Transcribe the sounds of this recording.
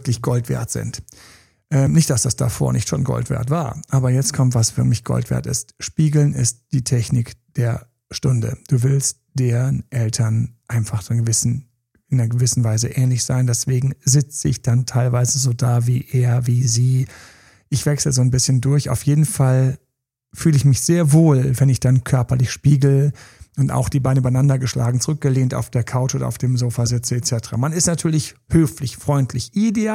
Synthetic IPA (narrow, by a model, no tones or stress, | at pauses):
vklɪçɡ̥ɔltv̥ɛ̰ːɐtz̥ɪ̰nt | ʔɛːmnɪçt̚d̥asd̥asd̥a̰fo̰ːɐnɪçtʃo̰ːnɡɔ̰ltv̥ḛːɐtv̥aːɐʔaːbɐjɛt͡stkʰɔmtv̥asv̥ɪɐklɪçɡ̥ɔ̰ltv̥ɛ̰ːɐtɪ̰stʃpiːɡl̩nɪst̚d̥iːtʰɛçnɪkd̥eːɐ | ʃtʊndə̰d̥uːvɪlst̚ | d̥eːnʔɛltʰɐnʔaɪnfaχdɡəvɪsn̩ | ʔɪnɐɡəvɪsn̩vaɪzəʔɛːnlɪçz̥a̰ɪndɛsv̥eːɡŋ̩zɪt͡səɪçd̥antʰaɪlvaɪzəzoːdaːvḭːʔeːɐviːziː | ʔɪçv̥ɛksləzoːnbɪsçəndʊɐça̰ʊfjeːdn̩fal | fyːləɪçmɪçz̥eːɐvoːlvɛnɪçd̥ankʰœɐpɐlɪçʃpiːɡl̩əʔʊnta̰ʊxd̥iːbaɪnəybanandɐɡəʃlʔa̰ːɡŋ̩t͡sʊʁʏk̚ɡ̥əleːnta̰ʊfd̥eːɐkʰaʊt͡ʃʔoːdɐ̰a̰ʊfd̥eːmzoːfazɪt͡səɛt͡sɛtə̥ʁa̰manɪstnatʰyːɐlɪçhøːflɪçfʁ̥ɔʏntʰlɪçʔideaː